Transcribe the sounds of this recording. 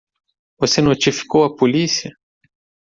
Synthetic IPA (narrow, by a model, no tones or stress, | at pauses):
vɔsenɔt͡ʃifi̥kowapɔlisia